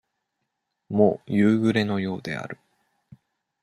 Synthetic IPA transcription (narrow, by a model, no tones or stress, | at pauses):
mo̞ːjɯːɡɯ̟ɾe̞no̞jo̞ːd̪e̞̰a̰ɾɯ̟